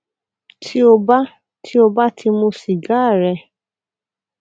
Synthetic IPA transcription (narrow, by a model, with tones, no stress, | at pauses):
tʰi˦o˧ba˦ | tʰi˦o˧ba˦tʰi˧mũ˧si˨ɡa˨˦˨ɾɛ˧